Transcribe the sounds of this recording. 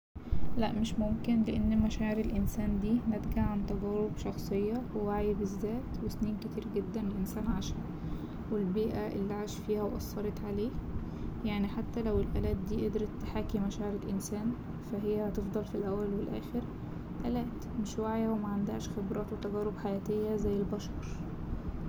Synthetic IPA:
læʔmeʃmomkenleʔenːmæʃæːʕeɾelʔensæːnd̪iːnæt̪ɡaʕʕant̪æɡæːɾebʃɑxsˤejːɑwewaʕibezːæːt̪wesniːnket̪iːɾɡed̪ːænelʔensæːnʕaʃhæ | welbiːʔæʔḛlːiːʕaːʃfiːhæweʔɑsˤːɑɾˤet̪ʕaleː | jaʕniħat̪ːælæwelʔælæːt̪̚d̪iːʔed̪ɾɑt̪ːħaːkimæʃæːʕeɾelʔensæːn | fæɦejːæht̪efd̪ˤɑlfilʔæwːælwelʔæ̰ːxeɾ | ʔælæːt̪ | meʃwaʕjæwemæʕand̪ææ̰ːʃxebɾˤɑːt̪wet̪æɡæːɾebħajæːt̪ejːæzæjːelbɑʃɑɾˤ

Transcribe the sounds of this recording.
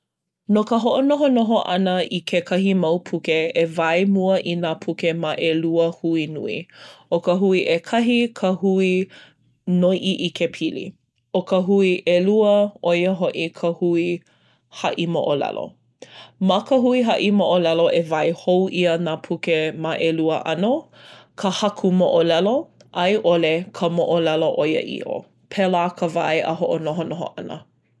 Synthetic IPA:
nokəɦoʔonoɦonoɦoʔɐnəʔikʰekʰɐɦimɐwpʰukeevajmuəʔinaːpʰukemaʔeluəhuinṵḭʔokəɦuiʔekʰɐɦikʰəhui | nojʔiʔikʰepʰilḭ | okəɦuiʔeluəʔojəɦoʔikʰəhui | hɐʔimoʔolɛ̰lo̰ | mɐkəɦuiɦɐʔimoʔolɛloʔevɐjhowʔiənapʰukemaʔeluəʔɐno | kʰəhɐkʰumoʔolɛloʔɐjʔolekʰəmoʔolɛloʔojə̰ʔḭʔo̰ | pʰelakʰəva̰jʔə̰ɦoʔonoɦonoɦo̰ʔɐ̰nə̰

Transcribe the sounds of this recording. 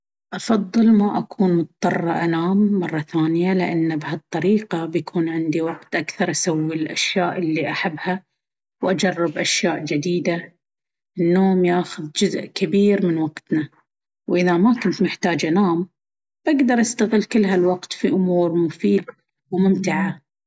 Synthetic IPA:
ʔɑfɑðˤːɨlmaʔakʰuːnmʊt̪t̪ˤːɑrˤːɑʔanaːmːɑrˤːɑθaːnɪjalɪʔanːbɪhat̪ˤːɑɾiːqɑbjakʰuːnʕɪnd̪iwɑɡt̪ʔakθɑɾˤʔasawːilʔaʃjaːʔɪlːiʔaħabːha | wʔad͡ʒɑrˤːɪbʔaʃjaːʔd͡ʒɪd̪iːd̪a | ʔɪnːoːmjaːxʊðd͡ʒʊzʔkabiːɾmɪnwɑqt̪na | wʔɪðamakʊnt̪mɪħt̪aːd͡ʒʔanaːm | bʔaɡd̪ɑɾˤʔast̪aɣɪlːkɪlːɦalwaqt̪fiʔʊmuːɾmʊfiːd̪̚ | wmʊmt̪ɪʕa

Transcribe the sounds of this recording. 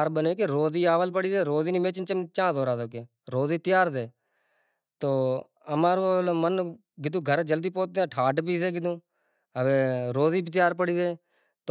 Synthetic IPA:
ɾbəneːkeːɾoːziːaːʋəlpəɽiːd̪eːɾoːziːnĩːmeːt͡ʃnt͡ʃt͡ʃãːd̪oːɾaːd̪oːkeː | ɾoːziːt̪ɪjaːɾd̪eː | t̪oː | əmaːɾoːlːmən | ɡɪd̪ũːɡʱəɾd͡ʒəld̪iːpoːt̪̚d̪eãːʈʰaːʈbiːseːɡɪd̪ũː | əʋeːɾoːziːbt̪ɪjaːɾpəɽiːd̪eː | t̪ː

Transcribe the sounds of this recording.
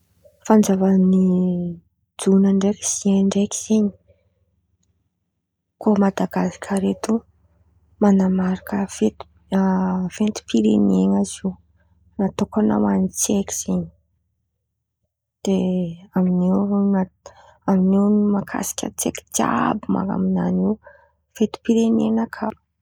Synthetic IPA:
fand͡ʒavəni | d͡zunaɳɖ͡ʐekʲi̥z̥iaɳɖ͡ʐeki̥z̥eɲi̥ | komad̪aɡ̥asi̥kʲʰəɾet̪u | manamaɾakəvet̪ | v̥ent̪i̥piɾeneŋazi | nat̪okana̰wanit͡sekʲi̥z̥eɲi̥ | d̪̥eaminewna | aminewnumakʰa̰si̥kʲə̰t͡sḛki̥t͡sia̰bima̰ka̰minaniw | fet̪i̥piɾenenəkʰa

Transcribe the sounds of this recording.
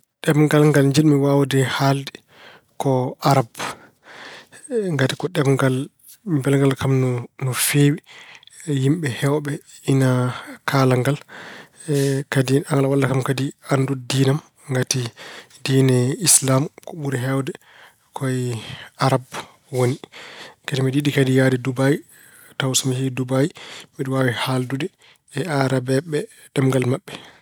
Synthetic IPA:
ɗɛmŋɡalŋɡalɲd͡ʒilmiwawdɛhaldɛ | kɔʔaɾab | ŋɡatikɔɗɛbŋɡal | mbɛlŋɡalkʰamnnɔfeːwi | jimɓɛhɛwɓɛ | inakʰalaŋɡal | kadiaŋɡalwalːakamkadiandudiːnam | ŋɡati | diːnɛislamkɔɓuɾɛɦɛwdɛ | kʰɔjaɾab | wonikadimiɗiɗikadijadɛdubaji | tawsumahidubajimiɗɔwaːwihaldudɛ | ɛaɾabɛɓɛ | ɗɛmɡalmaɓːɛ

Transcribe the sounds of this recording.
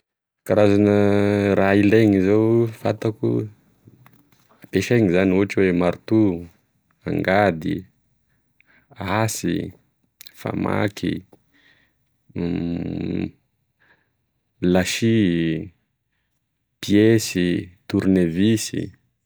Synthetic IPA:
kaɾazanəɾailejɲizewfa̰t̪akṵ | apeʃajŋizaniuaʈ͡ʂiwemaɾt̪u | a̰ŋɡad̪ḭ | asḭ | fa̰ma̰kʰḭ | laʃi | pjesit̪uɾnevisḭ

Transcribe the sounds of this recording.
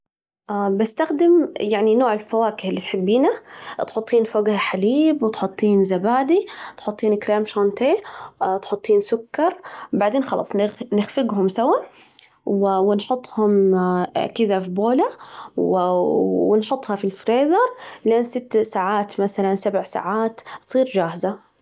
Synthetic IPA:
ʔabɪst̪axd̪ɪmjaʕninoːʕɪlfawaːkɪhɪlːiːt̪ħɪbːiːnat̪ħʊt̪ˤːiːnfoːɡhaħaliːbwɪt̪ħʊt̪ˤːiːnzabaːd̪it̪ħʊt̪ˤːiːnkɾeːmʃoːnt̪eːt̪ħʊt̪ˤːiːnsʊkːɑɾˤbaʕd̪eːnxɑlɑ̰ːsˤnɪnɪxfɪɡɦʊmsawa | wɪwɪnħʊt̪ˤːhʊm | kɪðafiboːlawɪwɪnħʊt̪ˤːhɑfilfɾeːðɑɾˤlʔeːnsɪt̪ːsaːʕaːt̪masalansabʕsa̰ːʕaːt̪sˤiːɾd͡ʒaːhza

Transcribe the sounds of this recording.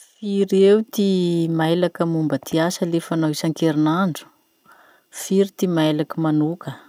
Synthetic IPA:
fiɾewt̪imajlakəmumbət̪ʰiasəlefanawisaŋkeɾinaɳɖ͡ʐu̥ | fiɾit̪imajlakimanukə

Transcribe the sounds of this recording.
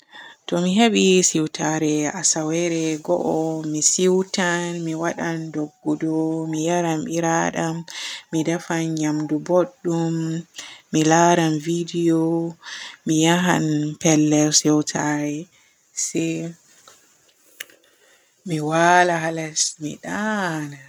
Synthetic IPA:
tɔmiɦeɓisiwtʰaɾɛasawɛɾɛɡɔ̰ʔɔmisiwtanmiwaɗandoɡːudɔmijaɾamɓiɾaɗamːidafanɲamduboɗːumː | ilaɾamvidijoː | ijaɦanpɛlːɛɾsɛwtʰaɾɛ | sɛ | miwalaɦalasmḭɗana

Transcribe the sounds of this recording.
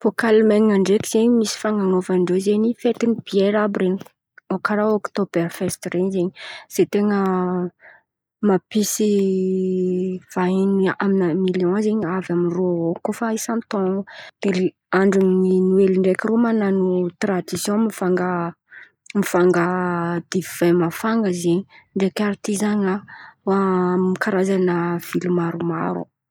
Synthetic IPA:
pokalmeŋiŋaɳɖ͡ʐekiz̥eɲmisi̥faŋanovaɳɖ͡ʐozeɲifet̪inibieɾabreɲ | okaɾaokt̪ob̥ɛrfɛst̪reɲizeɲiz̥et̪eŋə | mapisi | v̥aɦiniaminamiljɔ̃azeɲavjaminrookofaisamit̪ɔ̃d̪̥eli | aɳɖ͡ʐunninueliɳɖ͡ʐekʲəɾomananut̪ɾad̪isjɔ̃mifaŋɡə | mifaŋɡəd̪̥ivivajmafaŋɡəzeɲɳɖ͡ʐekʲaɾit̪izaɲəwamikaɾazanəv̥ilumaɾuma̰ɾṵ

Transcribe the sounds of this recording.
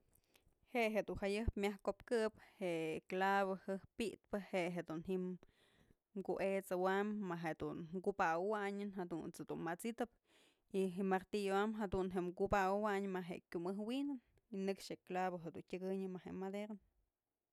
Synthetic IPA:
heʔɦed̪unhajɨhpmʲahkopkɨpheʔklaβohɨhpiʔt̪pɨheʔɦed̪unɦiʔm | kuʔet͡sawamːaɦed̪unkupawaɲɨnɦad̪unt͡sɨd̪unmat͡sit̪ɨp | iɦimːaɾt̪ijoamɦad̪unɦeʔmkupawaɲmaɦḛʔkʲumɨɦwinɨn | inɨkʃeklaβoɦed̪untʲɨɡɨɲɨmaɦeʔmad̪eɾn

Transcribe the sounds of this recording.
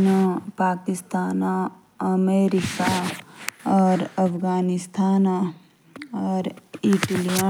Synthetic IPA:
napaːkɪst̪aːna | əmeːɾɪka | ɔːɾɐfɡaːnɪst̪ʰaːn | ɔːɾiʈlija

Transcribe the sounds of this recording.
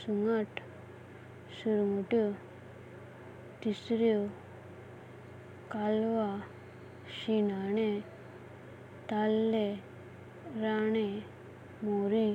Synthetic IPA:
suŋaʈ | suɾmuʈu | t̪isɾe | kalʋa | ɕinane | t̪alːe | ɾaɳe | moɾi

